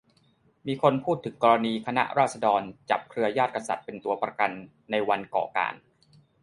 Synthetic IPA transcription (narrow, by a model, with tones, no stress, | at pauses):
miː˧kʰo˧npʰuː˥˩t̪ʰːɯ˨˩˦ŋkɔː˧ɾa˧niː˧kʰa˧na̰˦˥ʔɾaː˥˩t̪̚sa˧dɔː˧nt͡ɕa̰˨˩p̚kʰɾɯ˧ɐjaː˥˩t̪̚ka˧sa˨˩t̪̚pe˧nt̪u˧ɐpɾa˧ka˧nː | a˧jwa˧nkɔ̰ː˨˩ka̰ː˧˩n